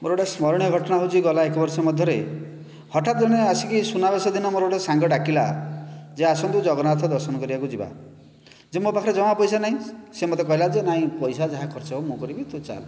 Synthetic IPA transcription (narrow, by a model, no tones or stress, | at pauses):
moɾoɽesmɔɾɔɽ̃jɔɡʱɔʈɔɽ̃aɦut͡ʃʰiɡɔlaekɔbɔɾsɔmɔd̪ʱjɔɾe | hɔʈat̪̚d͡ʒɔɽ̃easikisunabesɔd̪inɔmoɾoɽesaŋɡɔʈakilad͡ʒeasɔnt̪ud͡ʒɔɡɔnat̪ʰɔd̪ɔɾsɔnɔkɔɾibakud͡ʒiba̰ | d͡ʒemobakʰɔɾed͡ʒɔm̃apɔjsanaɦĩsemɔt̪̬ekɔɦilad͡ʒenaĩpɔjsad͡ʒaɦakʰɔɾt͡ʃɔomũkɔɾibit̪ut͡ʃa̰l